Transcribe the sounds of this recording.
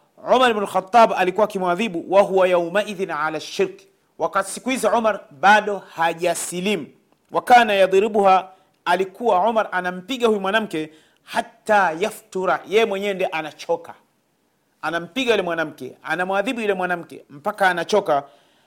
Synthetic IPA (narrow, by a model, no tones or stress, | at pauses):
ʕumaɾbnalxat̪ˤːɑbalikuwaːkimwaðiɓuwaɦuwajawmaʔiðinʕalaʃːiɾk | wakati̥sikuhizɔʕumaɾɓaɗɔhaʄasilim̩ | wakaːnajaðˤɾiɓuha | alikuwaʕumaɾʔanam̩piɠahujumwanam̩kɛ | hat̪ːaːjaft̪uɾajɛjɛmwɛɲɛndiɛʔanat͡ʃɔka | anam̩piɠajulɛmwanam̩kɛ̰a̰namwaðiɓujulɛmwanam̩kɛ̰m̩pakaːnat͡ʃɔka